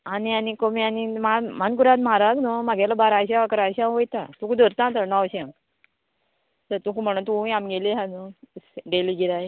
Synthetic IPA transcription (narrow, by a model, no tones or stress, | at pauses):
anianikomianimamankuɾãt̪maɾaɡnomaɡalabaɾaɕaakəɾaɕãʋojt̪at̪ukud̪ʱəɾt̪ãt̪ənɔwɕã | təɾt̪ũkum̤əɽ̃unt̪ũiamɡeleɦãnusɖeliɡiɾaj